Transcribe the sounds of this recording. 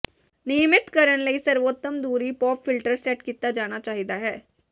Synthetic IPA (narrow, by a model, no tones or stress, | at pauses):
nijəmɪt̪kəɾəɳ̃ləiːsəɾʋot̪ːəmd̪uɾiːpɔːpfilʈəɾsɛʈkit̪ad͡ʒaɽ̃at͡ɕaːɦit̪aɦɛː